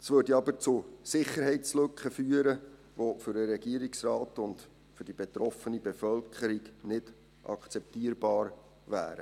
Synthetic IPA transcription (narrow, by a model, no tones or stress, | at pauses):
svʋøːdiɑbəɾt͡sʊsɪχəɾɦɛɪtt͡slɵkχəfyːəɾə | ʋofʏɾəɾɛɡiəɾiksrɑːtʊnd | fʏd̥ibɛtɾɔfənibɛfœlkʰəɾiɡnɪd | ʔɑ̰kʰt͡sɛp̚tiːəɾbɑːɾ | væ̰ːɾə